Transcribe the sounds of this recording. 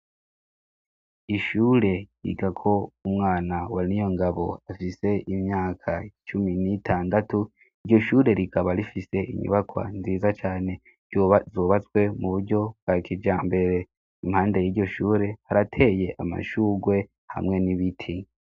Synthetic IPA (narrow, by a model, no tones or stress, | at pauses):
iʃuːɾe̞jḭɡakʰo̞umŋaːnawaɾinijo̞ŋɡaβo̞̰afise̞ʔimɲaːkʰat͡ʃuminitʰaːndatu | iɾɟo̞ʃuːɾe̞ɾikʰaβaɾifise̞ʔḭɲṵβakwa̰nziːzat͡ʃaːne̞ | zoːβat͡swe̞muβuɾɟo̞b̚ɡ̥akʰid͡ʒaːmbe̞ɾe̞ | imhaːnde̞jiːɟo̞ʃuːɾe̞haɾatʰe̞je̞ʔama̰ʃuːɡwe̞ | ha̰mŋe̞niβitʰi